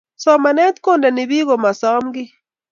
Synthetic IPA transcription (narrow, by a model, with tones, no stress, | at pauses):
sɔ˦ma˨ne˦t̪ko˦nda˨ni˨βi˦ɣo˨ma˨sa˦mɡi˦